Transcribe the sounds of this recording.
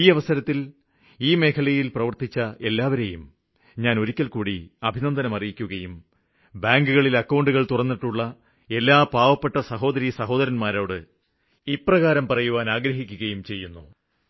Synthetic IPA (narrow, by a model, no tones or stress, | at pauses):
iːɐʋɐsɐɾɐt̪ːil | iːme̞ːkʰɐlɐjilprɐʋɐrt̪it͡ɕːɐe̞lːaːʋɐɾejum | ɲaːno̞ɾukʲːɐlkuːɽiɐbʱinɐnd̪ʱɐnɐmɐrijikʲːuɣɐjum | baːŋɡuɣɐɭilɐkːɐwɳɖuɣɐɭt̪urɐnːiʈːuɭːɐ | e̞lːaːpaːʋɐpːeʈːɐsɐɦo̞ːd̪ɐɾisɐɦo̞ːd̪ɐɾɐnmaːɾoːɽɨ | iprɐɣaːɾɐmpɐrɐjuʋaːnaːɡɾɐɦikʲːuɣɐjumt͡ɕe̞jːunːṵ